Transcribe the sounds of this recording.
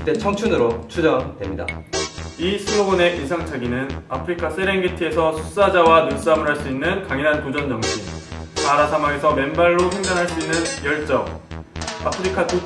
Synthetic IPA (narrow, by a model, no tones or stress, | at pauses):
t͈e̞t͡ɕʰʌŋt͡ɕʰunɯɾot͡ɕʰud͡ʑʌdwe̞mɲida̰ | isʰɯnoɡone̞ʔinsʰaŋt͡ɕʰaɡinɯna̰pʰɯɾikʰas͈ʰe̞ɾeŋɡetʰie̞sʰʌsʰu̥s͈ad͡ʑawanuns͈amɯɾɦaɭs͈uinːɯnkaŋinɦantud͡ʑʌnd͡ʑʌŋɕʰimaɾasʰamaŋe̞sʰʌme̞nbaɭːopʰe̞ŋdanɦaɭs͈uinːɯnjʌɭt͡ɕ͈ʌk | a̰pʰɯɾikʰatu